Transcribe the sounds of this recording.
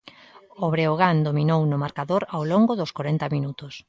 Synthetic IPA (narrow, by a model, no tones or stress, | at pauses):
oβɾeoɣ̞and̪ominownʊmaɾkaðoɾawloŋɡʊðʊskoɾent̪ɐminut̪ʊs